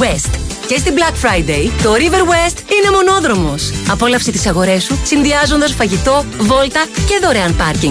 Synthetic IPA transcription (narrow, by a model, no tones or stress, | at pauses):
west̪ | cest̪iblɐkfɾɐjd̪ejt̪o̞ɾive̞ɾwest̪ine̞mo̞no̞ðɾo̞mo̞sɐpo̞lɐfsit̪i̥sɐɣo̞ɾe̞susinðiɐzo̞nd̪ɐsfɐʝit̪o̞vo̞lt̪ɐce̞ðo̞ɾeɐnpɐɾciŋ